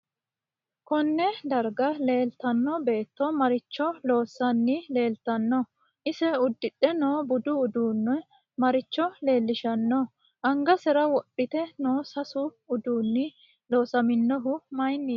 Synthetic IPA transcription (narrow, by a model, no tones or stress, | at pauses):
kɔnːɛd̪ɐɾɡɐle̞ːlt̪ɐnːɔbe̞ːt̪ːɔmɐɾɪt͡ʃːɔlo̞ːsɐnːɪle̞ːlt̪ɐnːɔ | ʔɪsɛʊd̪ːɪɗɛno̞ːbʊd̪ʊːd̪uːnːɔ | mɐɾɪt͡ʃːɔle̞ːlːɪʃɐnːɔ | ʔɐŋɡɐsɛɾɐwɔpʼːɪt̪ɛno̞ːsɐsʊ | ʊd̪uːnːɪ | lo̞ːsɐmɪnːɔɦʊmɐjnːiː